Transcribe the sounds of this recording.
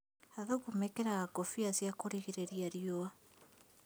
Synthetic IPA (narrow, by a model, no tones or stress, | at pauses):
aðoɣumɛkɛɾaɣaɡɔfiazjakoɾiɣeɾeɾiaɾjɔa